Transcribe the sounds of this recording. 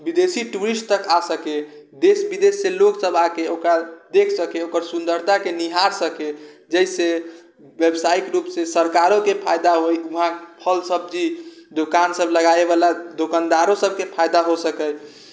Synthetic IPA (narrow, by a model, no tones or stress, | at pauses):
bid̪esiʈuɾisʈ̚t̪əkasəke | d̪esbid̪esːeloksəbakeokɾad̪ekʰsəkeokəɾsund̪əɾt̪akeniɦaɾsəked͡ʒəjse | ʋebsaikɾupsesəɾkaɾokepʰajd̪aɦojuɦãpʰəlsəb̚d͡ʒid̪okansəbləɡaeβalad̪okand̪aɾõsəb̚kepʰajd̪aɦosəkɛj